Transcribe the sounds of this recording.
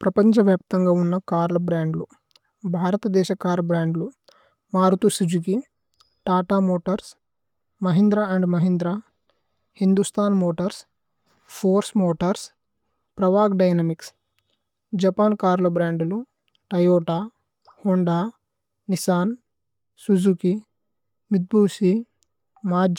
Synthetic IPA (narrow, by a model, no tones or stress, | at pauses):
pɾɐpɐɲt͡ʃɐʋjaːp̚t̪ɐŋɡaːunːɐkaːɾlɐbɾaːɳɖlu | bʱaːɾɐt̪ɐd̪ɛːʃɐkaːɾɐbɾaːɳɖlu | maːɾut̪usud͡ʒuɡi | ʈaːʈaːmoːʈɐɾs | mɐɦind̪ɾaːɐɳɖmɐɦind̪ɾaː | hind̪ust̪ʰaːnmoːʈɐɾs | pʰoːɾsmoːʈɐɾs | pɾɐʋaːɡɖɐjnɐmiks | d͡ʒɐpaːnkaːɾlɐbɾaːɳɖulu | ʈɐjoːʈaː | hoɳɖaː | nisaːn | sud͡ʒuki | mid̪̚bʱuːsi | maːd͡ʒ